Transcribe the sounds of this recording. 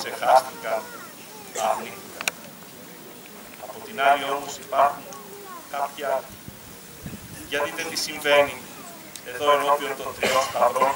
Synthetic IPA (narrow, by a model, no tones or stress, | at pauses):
se̞xast̪ikɐn | t̪ɐːniθikɐn | ɐpo̞t̪inalio̞mo̞sipaɾxuŋ | kapçɐ | ʝɐt̪iðet̪isiɱve̞ni | e̞ðo̞eno̞pio̞nt̪o̞t̪ɾiospɐðɾo̞n